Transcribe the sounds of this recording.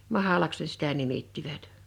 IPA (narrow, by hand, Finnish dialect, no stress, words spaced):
mɑhɑlɑks ne sitæ nimitːiʋæt